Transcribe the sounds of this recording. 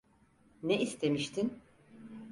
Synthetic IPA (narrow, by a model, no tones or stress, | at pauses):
nɛʔist̪ʰe̞miʃt̪ʰin